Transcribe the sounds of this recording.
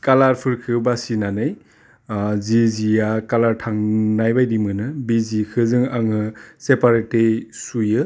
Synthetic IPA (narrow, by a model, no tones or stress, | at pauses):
kalaɾpʰɯɾkʰɯbasinanɯj | zizijakalaɾtʰaŋnajbajdimɯnɯbizikʰɯzɯŋaŋɯsepaɾetesujɯ